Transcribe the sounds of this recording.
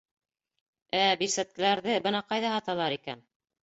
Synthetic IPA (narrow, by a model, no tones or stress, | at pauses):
æbiɾsæt̪̚kɘ̆læɾðɘbɤ̆nɑqɑjðɑhɑt̪ɑlˠɑɾikæ̰n